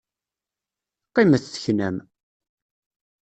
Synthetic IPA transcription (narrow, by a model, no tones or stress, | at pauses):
qːiməθθə̥çnæm